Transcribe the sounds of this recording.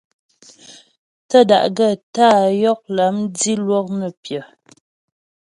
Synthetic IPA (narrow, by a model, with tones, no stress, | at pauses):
tə˦˨da̰˨ʔɡə˦˨taː˦˨jɔ˦k̚la˨˦mdi˦lwɔ˦k̚nə˨pjə˨